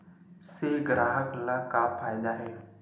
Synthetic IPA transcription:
seɡɾaːɦəklakafʰaːjd̪aɦeː

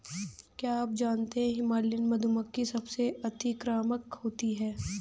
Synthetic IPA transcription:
kjaaːp̚d͡ʒaːnt̪eɦɛ̃ɦɪmaːlːɪnmɐd̪ʱuməkːisɐbseɐt̪ʰikɾaːməkhoːt̪iɦɛː

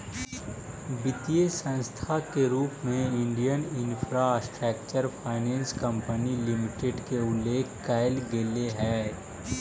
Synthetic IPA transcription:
bɪt̪ijesə̃nst̪ʰakeɾuːpmẽɪ̃ɳɖijənɪnfʰɾasʈɾɛːkt͡ʃəɾpʰaːɪnɛ̃ːnskə̃mpənilɪmɪʈeɖkeʊleːkkaːɪlɡɪleɦɛː

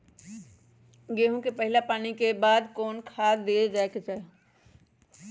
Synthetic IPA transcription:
ɡeːɦõkepɛɦlapaːnikebaːd̪kɔːnkʰaːd̪eːd͡ʒaekɪsɛ

